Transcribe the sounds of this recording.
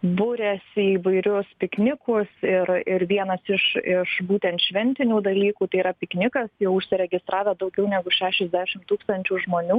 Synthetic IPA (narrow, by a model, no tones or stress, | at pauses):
bʊɾʲɛsiːʋɐɪɾʲʊspʲɪknʲɪkʊsɪɾɪɾʋʲiɛnɐsɪʃɪʃbuːt̪ʲɛnt̪ʃʲʋʲɛnʲt̪ʲɪnʲuːd̪ɐlʲiːkuːt̪ɐɪiːɾɐpʲɪknʲɪkɐsjɛʊʊʃʲsʲɪɾʲɛɡʲɪst̪ɾʔɑːʋʲɛːd̪ɐʊɡʲɛʊnʲæːɡʊʃʲæːʃʲɛzʲd̪ʲæːʃʲɪmt̪uːkst̪ɐnʲt͡ʃʲuːʒmoːnʲuː